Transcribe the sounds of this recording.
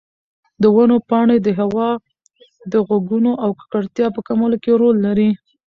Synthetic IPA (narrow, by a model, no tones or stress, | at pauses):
d̪əwanopɑɳed̪əɦawɑ | d̪əɣwaɡunoʔawkḁkaɽt̪jɑpəkamolokeɾolːaɾi